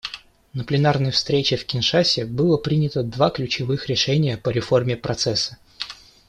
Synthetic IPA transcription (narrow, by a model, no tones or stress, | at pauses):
nəplʲɪnarnəjəfst̪ɾʲet͡ɕɪfkʲɪnʂasʲɪbɨlˠəpɾʲinʲɪt̪əd̪vaklʲʉt͡ɕɪvɨxɾʲɪʂɛnʲɪjəpəɾʲɪfo̞rmʲɪpɾɐt̪sɛsːə̥